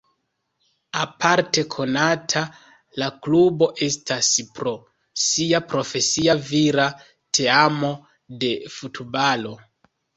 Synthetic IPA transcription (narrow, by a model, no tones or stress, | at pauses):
apʰaɾte̞kʰo̞natʰa | laklubo̞ʔe̞staspɾo̞ | siapɾo̞fe̞siaviɾa | tʰe̞amo̞ | de̞futbalo̞